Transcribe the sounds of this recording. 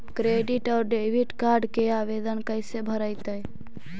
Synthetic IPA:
kɾeːɖɪʈɔːɾɖeːʋiʈkaːɾɖkeaːʋeːd̪ənkəɪsebʱəɾəɪt̪əj

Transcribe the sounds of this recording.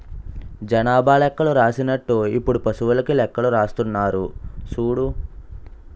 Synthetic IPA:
d͡ʒɐnaːbʱaːlɛkːɐɭuɾaːsinɐʈːuipːuɽupɐsuʋulɐkilɛkːɐɭuɾaːst̪unːaːɾusuːɽu

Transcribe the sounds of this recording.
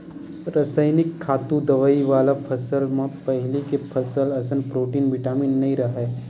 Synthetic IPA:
ɾɐsaːɪnɪkʰːaːt̪ũd̪ɐʋaːiʋaːlapʰɐsəlmãpɐɦɪlikepʰɐsəlɐsənpɾoːʈiːnʋɪʈaːmiːnːɐɦĩɾɐɦɛː

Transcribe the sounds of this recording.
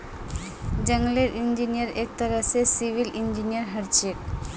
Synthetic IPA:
d͡ʑəŋleɾʔind͡ʑinijəɾek̚t̪aɾəsesibilind͡ʑinijəɾɦəɾt͡ɕek

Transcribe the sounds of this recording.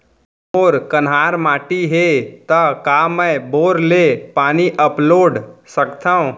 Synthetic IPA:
oːɾkənɦaːɾmaːʈiɦeːt̪ɐkaːmə̃boːɾleːpaːniʔəploːɖsəkt̪aːũ

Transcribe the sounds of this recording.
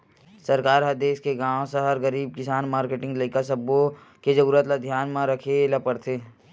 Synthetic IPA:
sɐɾkaːɾɦɐd̪eːskeɡãːw̃sɐɦəɾɡəɾiːb̚kɪsaːnmaːɾkeːʈɪ̃ŋɡlɐɪkasɐbo | ked͡ʒɐɾuːɾət̪lad̪ʱjaːnmãɾɐkʰelapɐɽt̪ʰeː

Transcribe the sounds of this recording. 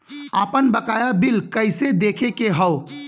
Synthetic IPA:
aːpənbəkaːjabilkəɪsed̪eːkʰekeɦəʊ

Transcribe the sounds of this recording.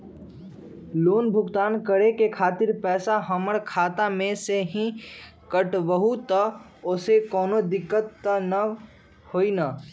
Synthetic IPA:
loːnbʱʊɡt̪aːnkəɽekekʰaːt̪ɪɾpɛːsaɦəməɽkʰaːt̪amẽseɦĩkəʈbəɦut̪ə | oːsekɔːnod̪ɪkːət̪ːənə | hoːinaː

